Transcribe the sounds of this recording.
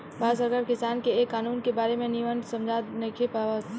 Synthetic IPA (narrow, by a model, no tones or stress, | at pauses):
bʱaːsəɾkaːɾkɪsaːnkeːkːaːnuːnkebaːɾemẽniʋənsɐ̃md͡ʒʱaːt̪nekʰepaʋət̪